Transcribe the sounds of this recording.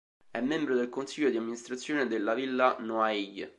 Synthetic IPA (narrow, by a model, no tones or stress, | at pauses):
ɛmːembɾod̪elkonsiʎːod̪iamːinist̪ɾat̪sːjoːned̪elːavilːanoaij